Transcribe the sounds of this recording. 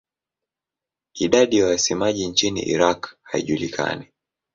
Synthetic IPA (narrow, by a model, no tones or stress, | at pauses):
iɗaɗijawasimaʄint͡ʃinḭʔḭɾakhaiʄulikʰa̰ni